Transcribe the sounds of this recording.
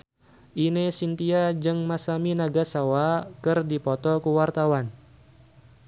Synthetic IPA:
ʔinesint̪iad͡ʒɨŋmasaminaɡasawakɨrdipɔt̪ɔkuwart̪awan

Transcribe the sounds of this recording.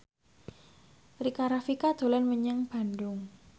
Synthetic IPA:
rikaɾafikad̪̥o̤lanməɲəŋb̥a̤ndʊŋ

